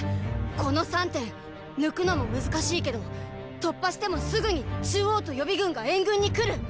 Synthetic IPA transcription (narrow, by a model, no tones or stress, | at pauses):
ko̞no̞sãnt̪ẽ̞n | nɯ̟kɯ̟no̞mo̞mɯ̟zɨkaɕiːke̞d̪o̞ | t̪o̞pːaɕi̥t̪e̞mo̞sɨɡɯ̟ɲ̟it͡ɕɨːo̞ːt̪o̞jo̞bʲiɡɯ̟̃ŋɡaẽ̞ŋɡɯ̟̃ɲ̟ːikɯ̟ɾɯ̟